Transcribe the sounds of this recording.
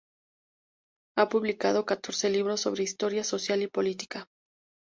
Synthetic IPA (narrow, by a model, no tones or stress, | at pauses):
apuβlikað̞o̞kat̪o̞ɾse̞liβɾo̞sːo̞̰βɾeist̪o̞ɾjaso̞sjalipo̞lit̪i̥ka